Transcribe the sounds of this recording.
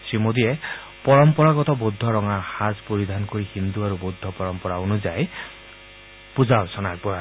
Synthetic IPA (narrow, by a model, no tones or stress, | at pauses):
sɹimod̪ijɛ | pɔɹɔmpɔɹaɡɔt̪ɔbod̪ʱːɔɹɔŋaxazpoɹid̪ʱankoɹihind̪uaɾubod̪ʱːɔpɔɹɔmpɔɹaonuzaj | puzawsɔnak̚bɔa